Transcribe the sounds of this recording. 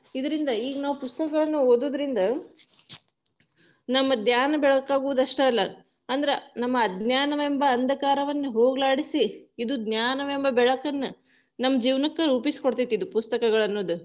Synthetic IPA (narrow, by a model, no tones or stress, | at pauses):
id̪ɐɾind̪ɐiːɡɐnaːʋupust̪ɐkɐɡɐɭɐnːuoːd̪uːd̪ɐɾind̪ɐ | nɐmːɐd̪jaːnɐbɛɭɐkaːɡuʋud̪ɐʂʈɐɐlːɐ | ɐnd̪ɐɾenɐmːɐːd̪njaːnɐʋembɐːnd̪ɐkaːɾɐʋɐnːuɦoːɡlaːɽisiid̪ud̪njaːnɐʋembɐbɛɭɐkɐnːɐ | nɐmːɐd͡ʒiːʋnɐkːɐɾuːpisi̥koɽt̪it̪ːid̪upust̪ɐkɐɡɐɭɐnːoːd̪u